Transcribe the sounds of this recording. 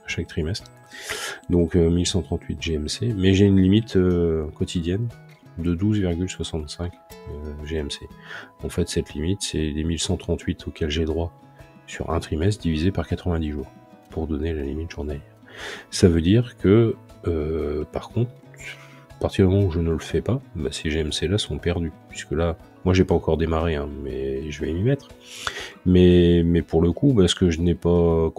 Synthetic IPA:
aʃak̚t̪χimɛst̪χ | d̪ɔ̃kømilsɑ̃t̪χɑ̃t̪ʰɥit̪ʒeɛmsemɛʒeynlimit̪økɔt̪ʰid̪jɛn | d̪əd̪uzviʁɡʲylswasɑ̃t̪sɛ̃køʒeɛmseɑ̃fɛt̪sɛt̪limit̪sɛ̰lemilsɑ̃t̪χɑ̃t̪ʰɥit̪ʰokʰʲɛlʒɛd̪ʁwa | sy̰ʁɛ̰̃t̪χimɛst̪̚d̪ivizepaʁkat̪χəvɛ̃d̪iʒuːʁ | puʁd̪ɔnelalimit̪ʒuʁnaji | savød̪iʁkʰəː | paʁkɔ̃t̪χ | apaʁt̪iʁd̪əmɔmɑ̃uʒənələfɛpaba̰seʒeɛmselasɔ̃pɛʁd̪ypɥi̥skəla | mwaʒepaɑ̃kɔʁd̪emaʁeɛ̃mɛʒəvɛmimɛt̪χ | mɛmɛpuʁləkubaskəʒənɛpa

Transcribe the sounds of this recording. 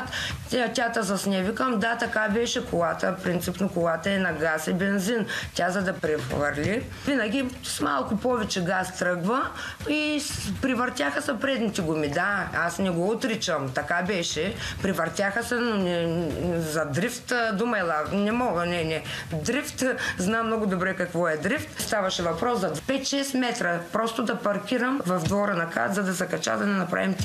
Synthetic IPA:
t̪ɐt̪ʲat̪ɐzɐsnʲɛvikəmd̪at̪ɐkabɛʃɛkolˠat̪əfpɾint̪sipnokolˠat̪ɐɛnɐɡasibɛnzint̪ʲazɐd̪ɐpɾɛvɐɾlʲi | vinɐɡʲi | smalˠkʊpɔvɛt͡ʃɛɡast̪ɾɤɡvɐ | ipɾivɐɾt̪ʲjaxɐsɛpɾɛd̪nit̪iɡomid̪aasnɛɡɔot̪ɾit͡ʃɐmt̪ɐkabɛʃɛpɾivɐɾt̪ʲjaxɐsɛnonɛ | zɐd̪ɾift̪d̪umɐɛlˠanɛmɔɡənɛnɛd̪ɾift̪znamnɔɡʊd̪obɾɛkɐkvɔɛd̪ɾift̪st̪avɐʃɛvɐpɾɔszɐd̪pɛt̪ʃɛsmɛt̪ɾɐpɾɔst̪ʊd̪ɐpɐɾkʲiɾɐmvɐvd̪vɔɾənɐka̰t̪zɐd̪ɐsɐkɐt͡ʃa̰d̪ɐnɛnɐpɾa̰vimt̪

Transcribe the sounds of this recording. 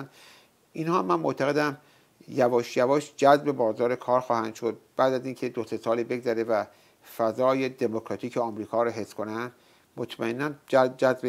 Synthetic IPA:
n | ʔinhɒːmːænmoʔt̪ʰæɣe̞d̪æm | jævɒːʃjævɒːʃd͡ʒæzbe̞bɒːzɒːɾe̞kʰɒːɾxɒːhænd̪̥ʃo̞d̪̥̚b̥æːd̪æziːncʰe̞d̪ose̞sɒːliːbe̞ɡzæɾevæ | fæzɒːje̞d̪emokʰɾɒt̪ʰiːcʰeɒmɾiːkʰɒːɾɒɦe̞sːkʰo̞nænd̪ | mot̪ʰmæenːænd͡ʒæzbe

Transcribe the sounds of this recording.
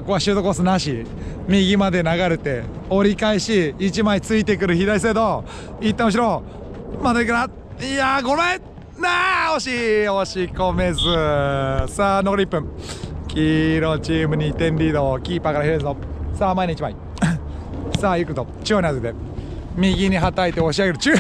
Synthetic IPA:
koβaɕɨːt̪okoːs̬ɨnaɕi | mʲiɡʲimad̪e̞naɡaɾɯt̪e̞o̞ɾʲikaiɕiːt͡ɕimait͡sɨit̪e̞k̬ɯ̟ɾɯ̟çid̪ais̬ed̪o | it̪ːemõɕ̬iɾo̞ | mad̪akɯɾa | iaɡome | naoɕioɕikome̞zɨ | saːnoɡoɾʲipːɯ̟̃ŋkʲiɾot͡ɕiːmɯ̟ɲ̟it̪ẽ̞nɾʲiːd̪o̞kʲiːpakaɾahiɾezɨnosamainoit͡ɕimai | saːjɯkɯɾɯt̪ot͡ɕioɲʲiazɨd̪e̞ | mʲiɡʲiɲ̟iɦat̪ait̪e̞oɕ̬iaɡe̞ɾɯ̟t͡ɕɨ

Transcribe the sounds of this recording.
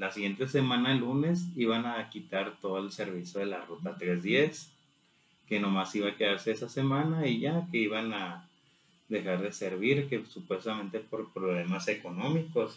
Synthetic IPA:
lasiɣje̞nt̪e̞se̞mãnaelune̞siβanakit̪aɾt̪o̞ðoelse̞ɾβisjoð̞e̞larot̪at̪ɾe̞zðje̞s | ke̞no̞masiβaːke̞ðaɾse̞esase̞mãnaiʝake̞iβana | ðe̞xaɾðe̞se̞ɾβiɾkesupwe̞st̪amẽ̞nt̪e̞po̞ɾpɾoβle̞mase̞ko̞no̞miko̞s

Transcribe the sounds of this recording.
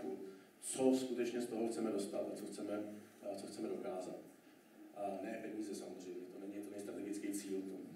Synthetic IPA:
ku | t͡soskut̪ɛt͡ʃɲɛst̪o̞ɦoxt͡sɛmɛdo̞st̪at̪at͡soxt͡sɛmɛt͡soxt͡sɛmɛdo̞kaːza̰t̪ | ʔnɛːpɛɲiːzɛsamozr̝ɛjmɲɛt̪onɛɲɪt̪onɛst̪ɾat̪ɛɡɪt͡skijt͡siːlt̪o

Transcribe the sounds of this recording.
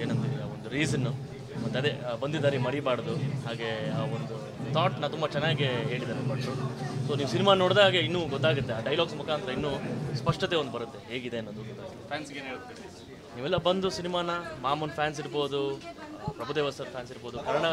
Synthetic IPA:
eːnɐnt̪id̪ia̰ond̪uɾiːzɐnːu | mɐt̪ːɐd̪e̞bɐnd̪id̪aːnimɐɽimaːɽd̪uɦaːɡe̞aːond̪u | t̪ʰaːʈnɐt̪umbɐt͡ʃɛnːaːɡeɦeːɭid̪aːɾepɐɽt̪ɾoso̞ːniːʋusinimaːno̞ːɽd̪aːɡeinːuːɡɔt̪ːaːɡut̪ːeaːɖɐjlaːɡsmukaːnt̪ɾɐinːuːspɐʂʈɐt̪eond̪ubɐɾut̪ːe̞ɦe̞ːɡid̪e̞ɐnːoːd̪uɡɔt̪ːaːɡɐt̪ːepʰaːnsɡeeut̪ːi | niːʋɛlːɐbɐnd̪usinimaːnɐmaːmɐnpʰjaːns̬iɾbo̞ːd̪upɾɐbʱud̪eːʋɐsɐɾpʰaːnsiɾbo̞ːd̪ukɐɾɐɳɐ

